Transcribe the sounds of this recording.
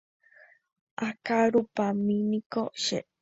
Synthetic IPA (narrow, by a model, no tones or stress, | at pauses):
ʔakaɾupamĩnĩkoʃḛ